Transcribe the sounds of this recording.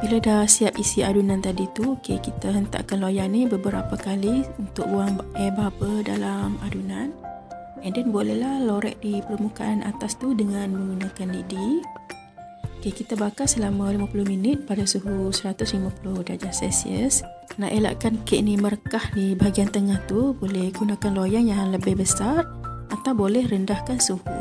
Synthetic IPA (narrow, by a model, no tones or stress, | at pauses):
biladasiap̚isiadunant̪adit̪uokekit̪aɦənt̪a̰ʔkanlojanibəbəɾa̰pakaliunt̪ʊk̚uaŋɛbapəda̰lamadunan | ɛndanbolɛhlahloɾɛ̰ʔdipərmukaʔanʔa̰t̪ast̪udəŋanmə̃ŋɡunakandidi | kekit̪abakasəlamalimapulʊhminɪt̪̚padasuɦusəɾat̪ʊslimapulʊhdad͡ʒasɛ̰sḭə̰s | na̰ʔela̰ʔkankeʔniməɾəkahdibaɦaɡiant̪əŋaht̪ubolɛhɡunakanlojanjaŋləbɪhbəsar | at̪awbolɛhrəndahkansuhṵ